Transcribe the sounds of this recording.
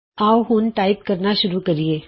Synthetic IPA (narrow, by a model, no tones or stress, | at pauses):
aːwɦʊnʈaːɪp̚kɐɾnaʃʊɾukɐɾieː